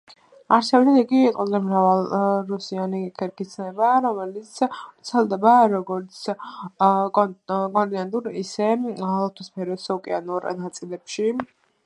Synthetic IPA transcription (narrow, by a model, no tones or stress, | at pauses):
aɾsʰɛbd̪aniɡiqʼɔzɛmɾavalˠɾusianikʰɛɾkʰʼit̪sʰnɛbaɾɔmɛlit̪sʰt̪sʰɛlˠd̪ɛbaɾɔɡɔɾt̪sʰ | kʼɔnt̪ʼiand̪uɾisɛlɔt̪ʰuspʰɛɾɔsɔkʼɛanuɾnat̪sʼilɛpʃi